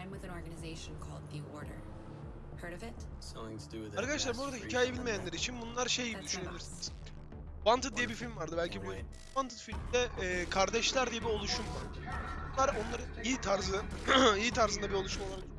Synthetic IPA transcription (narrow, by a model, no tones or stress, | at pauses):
ɪ̃mwɨðɨ̃nɔɹɡɨnɨzeɪʃn̩kʰɔ̰lˠd̪̚ðiɔɹɾə̰˞ | hɜ˞ɾʌvɪt | soɪ̃ŋtʰdɨaɾkʰad̪aʃlˠaɾmbuɾad̪ahicʰaːjɛbilʲmejænlʲeɾit͡ʃʰinbunlˠaɾʃe̞jɟibid̪yʃyneilʲiɾsiniz̥ | vant̪ɯt̪̚d̪ijɛbifilʲmvaɾd̪ɯbælʲcʰibu | vant̪ʰɯ̥t̪filʲmid̪ɛːkʰaɾd̪ɛʃlʲæɾd̪ijɛbio̞lˠuʃumvaɾbunlˠaɾo̞nlˠaɾɯiit̪ʰaɾzɯiːt̪ʰaɾzɯnd̪abio̞lˠuʃumoaɾak